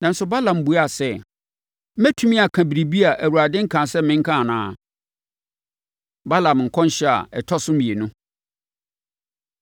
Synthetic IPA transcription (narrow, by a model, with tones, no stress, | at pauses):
nã˨n̩˦sʊ˨ba˦lã˨m̩˨bu˨˦a˨sɛ˦˨˦ | mæ˦tʰũ˦mĩ˦a˨kʰã˨bi˨ɾi˨bi˦a˨ʔæ˨wu˨ɾa˨dɪ̃˦ŋ̩˦kʰã˨sɛ˦mɪ̃˦ŋ̩˦kʰã˦˨nãː˨˦˨ | ba˦lã˨mŋ̩˨kʰɔ̃˦n˦ɕɛ˦a̰˨ɛ˨tʰɔ˦sʊ˦mĩ˨e˨nʊ̃˦